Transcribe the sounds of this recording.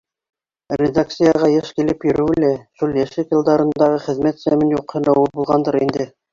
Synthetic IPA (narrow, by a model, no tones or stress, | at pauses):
rʲed̪ak̚t̪sɨjɑʁɑjeʃkilɘpjɵ̆ɾɘɘ̆læʃulˠjæʃɘkjɤ̆lˠd̪ɑɾɤ̆nd̪ɑʁɤχɘ̆ðmæt̪sæmɘnjuqhɤ̆næwɤbulˠʁɑnd̪ɤɾind̪ɘ